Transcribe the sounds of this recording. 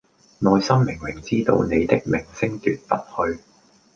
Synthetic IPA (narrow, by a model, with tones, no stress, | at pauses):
nɔː˨˧jsɐ˥mːɪ˨˩ŋmɪ˨˩ŋt͡siː˥t̪o̰˧wne˨˧jt̪ɪ˥k̚mɪ˨˩ŋsɪ˥ŋt̪y̰ː˨t̚pɐ˨˥p̚hɵ˧ɥ